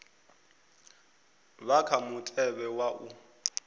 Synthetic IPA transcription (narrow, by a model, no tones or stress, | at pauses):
bakʰamʊtʼɛbɛwaʔu